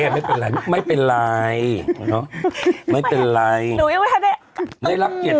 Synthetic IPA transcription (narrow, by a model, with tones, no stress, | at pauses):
ɛː˧˩ma˦˥˩jpe˨˩nla˨˧jma˥˩jpe˨nla˧jnɔ˨˦˥ma˦˥˩jpe˨nla˧ju˨i˧˦wha˧da˧˥ | na˧˥˩jla˦˥p̚ki˨˩